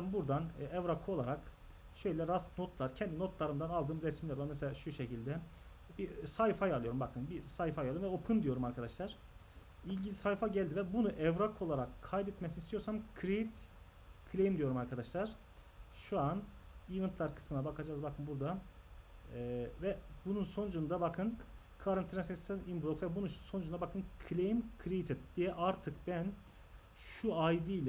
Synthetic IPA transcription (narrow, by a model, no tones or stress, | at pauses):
bɛmnbuɾd̪anɛvɾakʰoolˠaɾak | ʃø̞jlʲɛɾaskno̞t̪ʰlˠaɾcʰɛnd̪inot̪lˠaɾɯnd̪analˠd̪ɯmɾɛsmilʲɛɾameɛsɛaʃuʃecʰilʲd̪ɛ | bisajfajalˠɯjo̞ɾumbakʰɯnbisajfajalˠɯɾmvɛopʰɯnd̪ijo̞ɾumaɾkʰad̪aʃlˠaɾ̥ | ilʲɟilʲisajfaɟælʲd̪ivɛbunuʔɛvɾakʰo̞lˠaɾakʰːajbɛt̪mɛsinist̪ʰijoɾsamkʰɾeit̪ | kʰlʲejimd̪ijo̞ɾumaɾkʰad̪aʃlˠaɾ̥ | ʃuan | ivɛnt̪lˠaɾkʰɯ̥smɯnabakʰad͡ʒaːzbakʰɯnbuɾd̪a | vɛbununso̞nud͡ʒund̪abakʰɯn | kʰɯaɾant̪ʰiɾsest̪ɛnimblˠok̪vɛbunuʃso̞nud͡ʒunabakʰɯnkʰlʲejimkʰɾeit̪ʰɛt̪̚d̪̥ijɛʔaɾt̪ʰɯkbæn | ʃuajd̪ilʲɛ